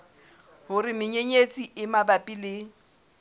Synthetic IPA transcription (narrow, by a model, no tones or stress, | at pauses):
hʊrɪmɪɲeɲet͡sʼiʔɪmabapʼilɪː